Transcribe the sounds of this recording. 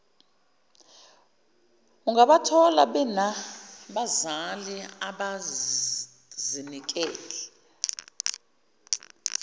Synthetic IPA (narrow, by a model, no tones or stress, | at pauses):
uŋɡaɓatʰɔla̰ɓɛnaɓazaliaɓa | zinik̬ʼɛːlɛ